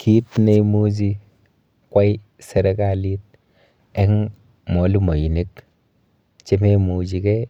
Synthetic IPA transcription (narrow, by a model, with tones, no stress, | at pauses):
kʰi˦tne˧mu˦t͡ʃ̬i˦ | kwa˦j | se˨ɾe˦ka˦˨li˦t̚ | ɛ˦ŋ | mɔ˨˦lu˦mo˨ji˨ne˦k | t͡ʃe˦me˦mu˨t͡ʃi˨˦kɛ˦